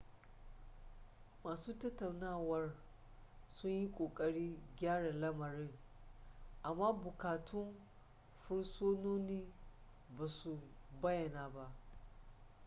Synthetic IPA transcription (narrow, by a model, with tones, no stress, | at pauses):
maː˨suː˦tɐ˦tːa˨wnaː˦˨wɐ˦r | sʊ˦ɲji˦kʷʼoː˨kʼɐ˨ɽiː˦ɡʲaː˦ɽa˨lɐ˦mɐ˨ɾɪ˦ŋ | ʔa˨mːaː˦bʊ˨kaː˨tʰʊ˦n | ɸʊ˦ɽsoː˦noː˦niː˦ | baː˨su˨bɐ˦jɐ˨naː˨ba˦ʔ